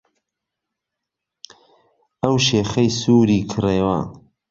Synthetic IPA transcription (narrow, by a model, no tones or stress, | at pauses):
ɐwʃeːxɐjsuːɾiːkʰɨreːwɐ̰